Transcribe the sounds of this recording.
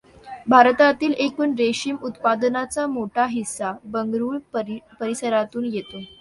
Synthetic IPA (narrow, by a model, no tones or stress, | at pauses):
bʱaɾt̪at̪iːlekuːnɾeɕiːmut̪pad̪nat͡samoʈaɦisːabəŋɡɾuːɭpəɾisəɾat̪uːnjet̪o